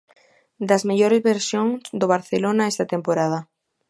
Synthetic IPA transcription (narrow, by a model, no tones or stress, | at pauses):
d̪ɐzmeʎoɾezβeɾsjoŋsd̪oβ̞aɾθelonaɛst̪ɐt̪empoɾað̞ɐ